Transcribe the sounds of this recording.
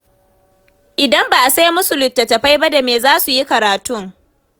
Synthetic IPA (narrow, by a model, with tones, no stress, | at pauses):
ʔɪ˨dɐ˦mba˨ʔa˨sa˦jmʊ˦su˨lʊ˨tːɐ˨tɐ˨ɸa˦jba˦da˨meː˨zaː˦su˨ji˦kɐ˨ɾaː˨tʊ˦ŋ